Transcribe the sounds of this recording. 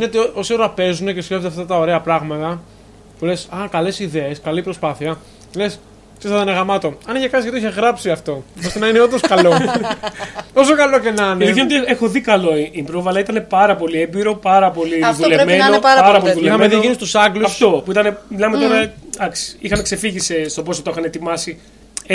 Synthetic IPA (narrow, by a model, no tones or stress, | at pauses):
inet̪eo̞sio̞ɾɐpe̞zune̞ceskeft̪eaft̪ɐt̪ɐo̞ɾe̞ɐpɾɐɣmɐt̪ɐ | pulesɐkɐle̞siðe̞eskɐlipɾo̞spɐθiɐ | les | t̪isθɐt̪ɐnɐɣɐmɐt̪o̞ɐniçekɐtsziɐt̪iiçeɣɾɐpsiɐft̪o̞ost̪enɐineo̞nd̪oskɐlo̞ | t̪o̞s̬okɐlo̞cenɐnlikenot̪exo̞ðikɐlo̞iimbɾovɐlɐit̪ɐne̞pɐɾɐpo̞liebiɾo̞pɐɾɐpo̞liðulemenoɐpɐɾɐpoliðuleixɐmeðieinist̪usɐɡluɐsft̪o̞puit̪ɐnemilɐmet̪o̞ɾɐd̪ɐksi̥ixɐnekse̞fiʝisest̪oposot̪oixɐnet̪imɐsi